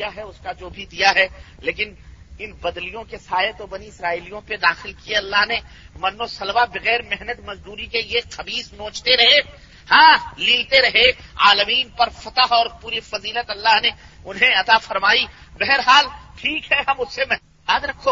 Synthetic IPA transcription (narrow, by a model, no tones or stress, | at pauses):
jaɦɛʊskad͡ʒoːbʱid̪ijaɦɛleːkɪn | ɪnbɐd̪lijõkesaːjet̪obɐniɪsɾaːiːlijõped̪aːxɪlkieɐlːaɦne | mɐnːosɐlbabɪɣɛːɾmɛɦnət̪mɐzd̪uːɾikeijexɐbiːsnõːt͡ʃt̪eɾɐɦe | hãːliːlt̪eɾɐɦeaːləmiːnpɐɾfɐt̪aɦɔːɾpuːɾifɐziːlət̪ɐlːaɦne | ʊnɦẽɐt̪afɐɾmaːibɛɦɛɾɦaːlʈʰiːkɦɛɦɐmʊsːemɛ | jaːd̪ɾɐkʰːo